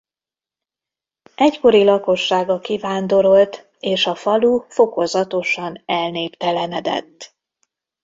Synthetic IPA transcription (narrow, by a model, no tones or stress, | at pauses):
ɛcko̞ɾilɒko̞ʃːaːɡɒkivaːnd̪o̞ɾo̞lt̪ | eːʃɒfɒlufo̞ko̞zɒt̪o̞ʃɒnɛlneːpt̪ɛlɛnɛd̪ɛ̰t̪ː